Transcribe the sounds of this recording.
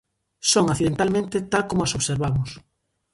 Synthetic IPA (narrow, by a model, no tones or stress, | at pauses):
soŋaθiðent̪almẽnt̪et̪alkomʊasoβseɾβamʊs